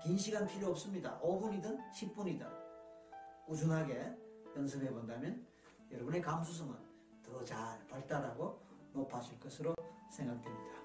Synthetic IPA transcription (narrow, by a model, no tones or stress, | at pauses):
kinɕʰiɡanpʰiɾjoʌp̚s͈ɯmɲida̰ʔʌbuɲidɯnɕʰip̚p͈uɲida̰ | kud͡ʑunɦaɡejʌns̬ʰɯbe̞bondamjʌn | jʌɾbune̞kams̬ʰus̬ʰʌŋɯn | tʌt͡ɕaɭpaɭt͈aɾaɡo | nopʰad͡ʑuɭk͈ʌsʰɯɾosʰe̞ŋɡak̚temɲid̥a